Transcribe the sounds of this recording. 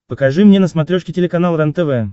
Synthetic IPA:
pəkɐʐɨmnʲenəsmɐt̪ɾʲoʂkʲɪtʲɪlʲɪkɐnalˠɾant̪ɛvɛ

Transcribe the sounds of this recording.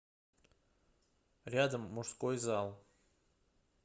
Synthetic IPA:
ɾʲad̪əmːuʂskojzɑlˠ

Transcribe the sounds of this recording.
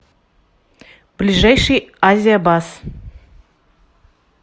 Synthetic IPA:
b̥lʲɪʐajʂɨjazʲɪjəbas

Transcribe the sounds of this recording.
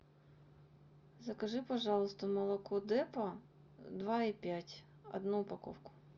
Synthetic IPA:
zɐkɐʒɪpɐʒɑlˠʊst̪ɔmɐlˠɐkɔd̪ɛpɐ | d̪ʋɑipʲjatʲ | ɐ̰d̪nupɐkɔ̰wkʊ̥

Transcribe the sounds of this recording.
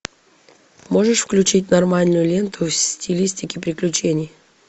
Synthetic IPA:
mo̞ʐɨʂfklʲʉt͡ɕit̬̚ʲnɐrmalʲnʊjʊlʲe̞nt̪ʰʊsʲtʲɪlʲisʲtʲɪkʲɪpɾʲɪklʲʉt͡ɕenʲɪj

